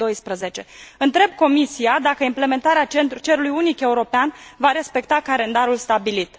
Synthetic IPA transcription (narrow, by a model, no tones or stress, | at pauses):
o̞jspɾəze̞t͡ʃe̞ɨnt̪ɾe̞b̚ko̞misiad̪akəimple̞me̞nt̪aɾeat͡ʃent̪ut͡ʃeɾulujunike̞uɾo̞peanvaɾe̞spe̞kt̪akale̞nd̪aɾulst̪abilit̪